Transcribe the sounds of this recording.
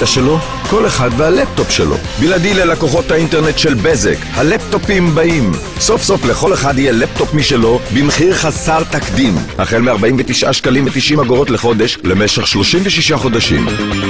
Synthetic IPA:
aʃelo̞ | ko̞leχad̪vehalep̚t̪o̞pʃelo̰biladilelakoχo̞t̪hainte̞ʁnet̪ʃelbezḛkhalep̚t̪o̞pimbaʔim | so̞fso̞fleχo̞leχad̪hijelep̚t̪o̞pmiʃelo̞bimχiʁχasaʁt̪akd̪imhaχe̞lmeaʁbaimvet̪iʃʔa̰ʃkalimvet̪iʃʔimhaɡoʁo̞t̪leχo̞d̪e̞ʃle̞meʃeχʃlo̞ʃimveʃiʃaχo̞d̪aʃḭm

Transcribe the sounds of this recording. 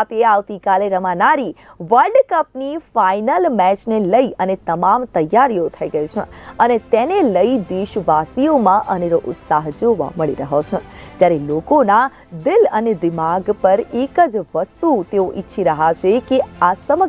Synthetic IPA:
t̪eaʋt̪ikaleɾəmanaɾiʋəɾɖkəpnifainəlmɛt͡ʃneləiʔənet̪əmamt̪əjːaɾijot̪ʰəiɡəjt͡ʃʰḛənet̪eneləid̪eʃʋasijomãʔəneɾoʔʊ̰t̪saɦd͡ʒoʋa̰məɭiɾəɦot͡ʃʰet̪jaɾelokona | d̪ɪləned̪ɪmaɡpəɾekəd͡ʒʋəst̪ut̪eoʔitːʃʰiɾəɦat͡ʃʰekeasəmə

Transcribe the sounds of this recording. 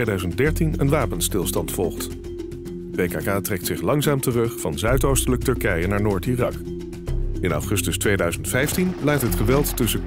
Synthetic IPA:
ejdœɥzənt̚dɛɹtinə̰nʋaːpənstɪlˠstɑntfɔlˠχt | bejkakaːtrɛktsɪχlɑŋzaːmtərɵχfɑnzœɥtowstələk̚tɵɹkɛjənaːɹnoːɹtiːrɑk | ɪnɑ̰fχɵstəstʋejdœɥzəntfɛjftinlɛj̚tɦətχəʋɛlˠtːɵsə

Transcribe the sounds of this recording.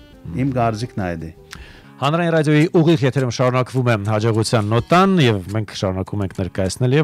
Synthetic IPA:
imkɑɾd͡zikʰnɑjd̪i | hɑnɾɑjinrɑd̪jɔjiʔuʁiʁjɛt̪ʰɛɾumʃɑɾunɑkvumɛhɑd͡ʒɔʁut͡sʰjɑnːɔt̪ɑnjɛvmɛŋkʰʃɑɾunɑkumɛŋkʰnɛɾkɑjɑt͡sʰnɛljɛ

